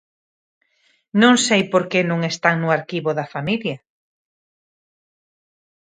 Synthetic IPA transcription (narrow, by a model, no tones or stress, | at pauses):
nõŋsejpoɾkenõŋest̪aŋnʊaɾkiβoðafamilja